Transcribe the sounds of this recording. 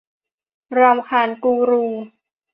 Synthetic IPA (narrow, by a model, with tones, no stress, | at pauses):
ɾa˧mkʰaː˧˩nkuː˧ɾuː˧